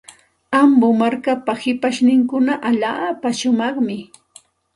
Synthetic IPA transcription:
ambʊmaɾkapahɪpaʃnɪŋkʊnaʔaʎaːpaʃʊmɑχmɪ

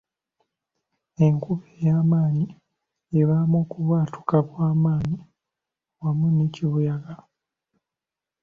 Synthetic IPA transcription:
e̞ŋkuβejaːmaːni | eβamoːkuβwaːtʰu̥kakwaːmaːni | wamuniciβujaɡa

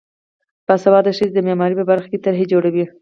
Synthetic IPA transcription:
basabɑd̪əʃizd̪əmemɑɾipəbaɾxḁket̪aɾɦed͡ʒoɽawi

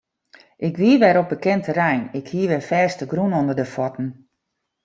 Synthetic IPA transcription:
ʔɪkʋiəʋɛɾop̚bəkɛntʰərɛjnɪkhiəʋɛfɛːstəɡrunondərdəfɔtn̩

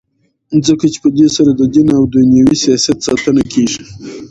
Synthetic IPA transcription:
zəkat͡ʃe̥pəd̪esaɾad̪əd̪inawd̪unjawisijɑsjat̪sɑt̪ənakʰeʐi

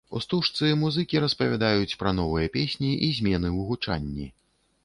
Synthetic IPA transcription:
ṵst̪uʂt̪sɨmuzɨkʲiɾɐspɐvʲad̪ajut͡sʲpɾɐn̪ɔvɨjɐpʲesʲnʲiʔizʲmʲɛnɨɨɣut͡ʂa̰nʲːi

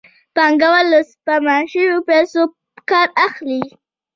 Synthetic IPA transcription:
paŋɡawaləspamaʃəwopɛso | kɑɾaxli

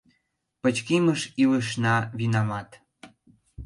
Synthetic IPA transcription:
pət͡ɕkiməʃiləʃ̬nɑβinɑmɑt̪

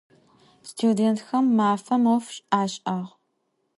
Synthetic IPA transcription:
stʰudeːntxɐmːaːfɐmofɕʼaːɕʼʔaːʁ

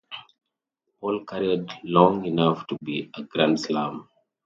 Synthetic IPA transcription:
ɔlkʰaɾiədlɔ̃ŋinaftubiəɡɹãndslãm

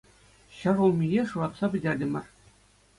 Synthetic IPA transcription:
ɕɤ̆ʐulˠmʲijʲeʂurɑt̪sɑbʲɘ̆dʲerʲdʲɘ̆mʲɘ̰̆rʲ

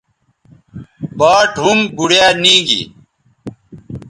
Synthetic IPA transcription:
baːʈɦumbuɽjaːnĩːɡḭ

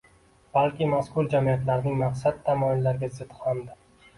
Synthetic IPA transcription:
b̥alkʲɪmaskʰʊɾd͡ʒamiat̪laɾnɪŋmaqsat̪ʰːamɒjɪllːaɾɡʲazɪt̪hamd̪ɪ

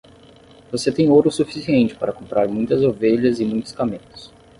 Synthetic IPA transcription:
voset̪ẽj̃oɾʊsufi̥siẽnt͡ʃɪ̥paɾɐkõmpɾʔaɾmũj̃t̪ɐzoveʎɐzɪmũj̃t̪ʊskamẽt̪ʊ̥s

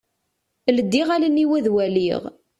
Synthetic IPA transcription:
ləd̪ːiʁælənːiwæðwæliʁ

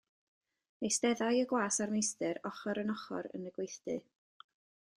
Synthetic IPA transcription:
mejstɛðajəɡwaːsarmejstɨɾɔχɔɾənɔχɔ̰ɾə̰nəɡwejθdɨ

